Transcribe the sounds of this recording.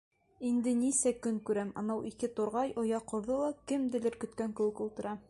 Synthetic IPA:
ind̪ɘnisækɵŋkʉɾæmɑ̰nɑwʔikɘt̪oɾʁɑjʔŏjɑqŏɾðɤlˠɑkɘmd̪ɘ̆lɘɾkɵ̆t̪kæŋkɘ̆wɘkulˠt̪ɤ̆ɾɑ

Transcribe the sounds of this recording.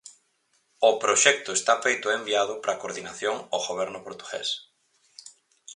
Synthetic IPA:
ʊpɾoʃɛk̚t̪ʊest̪afejt̪ʊembiaðʊpɾakoɾðinaθjoŋoɣoβɛɾnʊpoɾt̪u̥ɣɛ̰s

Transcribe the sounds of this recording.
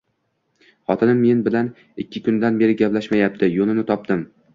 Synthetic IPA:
χɒt̪ʰɪnɪmːe̞nbɪlan | ɪkʲʰːɪkʰʊnd̪anbe̞ɾɪɡʲaplaʃmajap̚t̪ʰɪjonɪnɪt̪ʰɒp̚d̪ɪm

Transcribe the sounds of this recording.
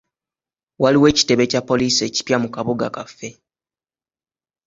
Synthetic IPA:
waliwe̞ːci̥te̞βe̞capːo̞liːsie̞ci̥pjamukaβoɡakafːe̞

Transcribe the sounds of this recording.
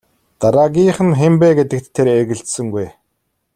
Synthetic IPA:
t̪aɾaːɡʲiːχɘ̆nxempeːɡet̪ɘ̆k̚t̪ʰːeɾeɣɘ̆ɮt̪sɘ̆ŋɡuj

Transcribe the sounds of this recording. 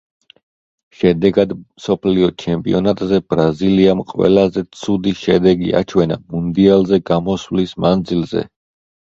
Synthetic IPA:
ʃɛd̪ɛɡad̪msɔpʰliɔt͡ʃʰɛmpʼḭɔnat̪ʼzɛbɾaziliamqʼwɛ̰lazɛt̪sʰud̪iʃɛd̪ɛɡḭa̰t͡ʃʰwɛna̰mund̪ialˠzɛɡamɔswlismand̪zilzɛ̰

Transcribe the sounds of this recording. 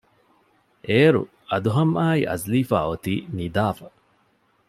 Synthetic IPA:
ʔeːɾṵ | ɐd̪uɦɐmʔaːiʔɐ̰zliːfa̰ːot̪iːnid̪aːfɐ

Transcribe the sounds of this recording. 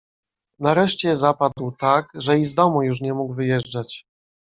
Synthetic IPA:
naɾɛʂt͡ɕɛzapad̪wt̪akʐɛizd̪ɔmujuʂ̬ɲɛmuɡvɘjɛʐd͡ʐat͡ɕ

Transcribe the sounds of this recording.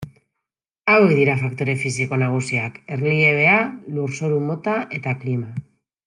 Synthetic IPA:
awe̞kd̪iɾafakt̪o̞ɾe̞fisiko̞naɣ̞usiake̞rlieβe̞aluɾso̞ɾumo̞t̪aʔe̞t̪aklima

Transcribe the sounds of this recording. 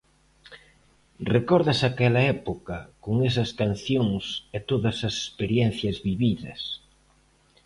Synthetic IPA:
rekɔɾðɐsakɛlɐɛpokɐkoŋɛs̬ɐskan̟θjoŋset̪oðɐsɐse̥speɾjɛn̟θjɐzβiβiðɐ̰s

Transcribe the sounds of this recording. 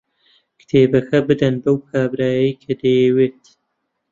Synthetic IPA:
kɨ̥t̪ʰeːbɐkʰɐbɨd̪ɐnbɐwkʰaːbɾaːjɐjkʰɐd̪ɐjɛweːt̪

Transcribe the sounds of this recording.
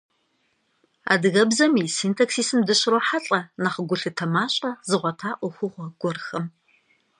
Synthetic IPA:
a̰ːdɨɣɐbzɐmisiːntʰaksiːsɨmdɨɕroħaɬʼɐnaχəɡʷʊɬɨtʰɐmaːɕʼɐzɨʁʷɔtʰaːʔʷʊxʷʊʁʷɔɡʷɔrxɐm

